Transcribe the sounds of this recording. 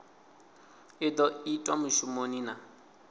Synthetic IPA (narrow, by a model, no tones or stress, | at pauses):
ɪdɔitʼwamʊʃumonina